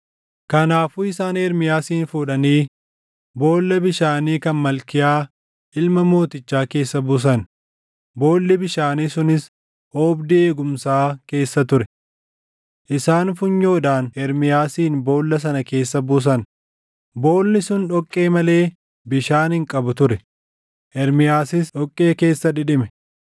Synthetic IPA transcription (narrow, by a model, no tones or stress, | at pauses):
kɐnaːfuːɪsaːnɛɾmɪjaːsiːnfuːᶑɐniː | bo̞ːlːɐbɪʃaːniːkɐnmɐlkɪjaː | ʔɪlmɐmo̞ːt̪ɪt͡ʃːaːke̞ːsːɐbʊs̬ɐn | bo̞ːlːɪbɪʃaːniːsʊnɪs | oːbd̪ɪeːɡʊmsaːke̞ːsːɐt̪ʊɾɛ | ʔɪsaːnfʊɲːo̞ːᶑaːnʔɛɾmɪjaːsiːnbo̞ːlːɐs̬ɐnɐke̞ːsːɐbʊs̬ɐn | bo̞ːlːɪsʊnᶑɔkʼːe̞ːmɐle̞ː | bɪʃaːnhɪŋkʼɐbʊt̪ʊɾɛ | ʔɛɾmɪjaːsɪsᶑɔkʼːe̞ːke̞ːsːɐᶑɪᶑɪmɛ